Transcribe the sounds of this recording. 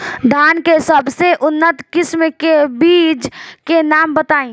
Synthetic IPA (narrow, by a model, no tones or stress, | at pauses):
d̪ʱaːnkesəbseʔʊnːət̪kɪsmkebiːd͡ʒkenaːmbət̪aːĩ